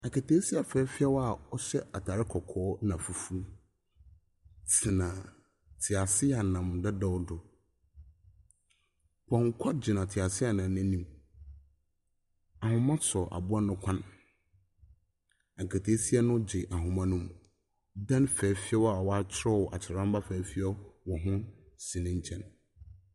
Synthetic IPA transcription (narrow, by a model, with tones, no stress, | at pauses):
a˨kʰa˨tʰeː˦si˦a˨fɛː˨˦fi˦ɛ˦wa˦˨ɔ˦ɕɛ˦ʔa˨tʰaː˨ɾɪ˦kʰɔ˨kʰɔː˦nã˨fu˨fu˦ | tʰi˨nã˨ | tʰɪ˨a˨sɪ˦a˨nã˨mdɛ˦dɔ˦wdʊ˨ | pʰɔ̃˨ŋ˦kʰa˦d͡ʑɪ˨nã˨tʰɪ˨a˨sɪ˦a˨nã˨˦nɪ̃˦nĩ˦m | a˨hʊ̃˨mã˦sʰɔ˨ʔa̰˨bʊ˦a˦nʊ̃˦kʷʰã˦n | a˨kʰa˨tʰe˦si˦ɛ˦nʊ̃˦d͡ʑɪ˨ʔa˨ɦʊ̃˨mã˦nʊ̃˦m | dã˦nfɛ˨˦fi˦ɔ˦wa˨wa˦t͡ɕʰɪ˦ɾɔ˦˨wɔ˨ʔa˨t͡ɕʰɪ˨ã˦mba˦fæː˨˦fi˦ɔ˦wɔ˨ɦʊ̃˦ | sĩ˨nɪ̃˦ɲ˦t͡ɕʰɛ̃˦n